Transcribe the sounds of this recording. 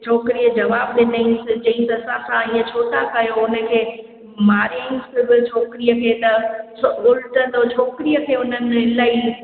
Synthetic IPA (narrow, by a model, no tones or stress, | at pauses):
t͡ɕʰoːkɾijəd͡ʑɐʋaːb̚ɗɪnd̪əinsɪd͡ʑɐ̃ɦɪ̃t̪ɐːsãsãĩːə̃t͡ɕʰoːt̪akɐjoʊnəkʰeː | maːɾainsɪbɪ̆t͡ɕʰoːkɪɾijəkʰeːt̪ɐ | ʊlʈət̪ot͡ɕʰoːkɾijəkʰeːʊn̤ənɪlaːi